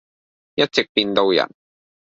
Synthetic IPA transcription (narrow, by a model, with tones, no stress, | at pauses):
jɐ˥t̚t͡sɪ˨k̚piː˧nt̪o˧wjɐ̰˨˩n